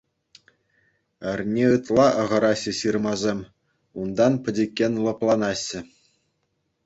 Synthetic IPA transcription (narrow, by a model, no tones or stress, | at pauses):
ɘ̆rʲnʲeɯt̪lˠɑʔɤ̆ʁɤ̆ɾɑɕɘ̆ɕɯrmɑzʲemʲ | und̪ɑnpʲɘ̆dʲekʲːenʲlˠɤ̆plˠɑnɑɕːɘ̆